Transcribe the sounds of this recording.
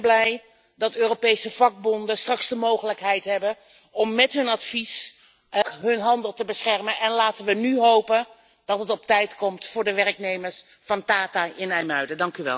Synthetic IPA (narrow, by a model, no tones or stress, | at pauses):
blɛj | dɑtøːropejsəv̥ɑɡ̚bɔndəstrɑksdəmowχələkɦɛjtɦɛbə | ɔmːɛtɦɵnɑtfis | ɦɵnɦɑndəlˠtəbəsχɛrmənʔɛnlaːtənʋənyɦowpən | d̥ɑtɦətɔp̚tɛjtkɔmtfʊːɹdəʋɛrknejməɹs | fɑndaːtaʔɪnɛjmœɥdədɑŋkyʋɛ̰lˠ